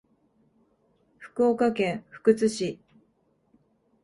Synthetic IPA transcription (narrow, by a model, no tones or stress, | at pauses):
ɸɯ̟̥kɯoːkakẽ̞ɰ̃ɸɯ̟̥kɯ̟t͡sɨɕi